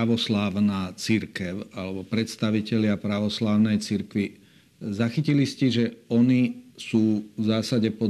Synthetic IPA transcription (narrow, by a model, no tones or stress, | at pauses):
aʋɔslaːʊnaːt͡siɾkɛʊalɛbɔpɾɛt̪st̪aʋicɛʎɪapɾaʋɔslaːʊnɛjt͡siɾkʋi | zaxiciliscɛʒɛɔnisuːvzaːsaɟɛpɔ